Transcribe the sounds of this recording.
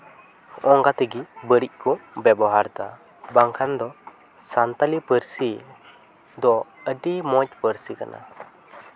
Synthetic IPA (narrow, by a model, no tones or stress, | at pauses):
ɔŋɡat̪əɡibəɾic̚kɔbɛbɔɦaɾt̪a | baŋkʰand̪ɔ | sant̪alipəɾsi | d̪ɔəɖimɔc̚pəɾsikanʔa̰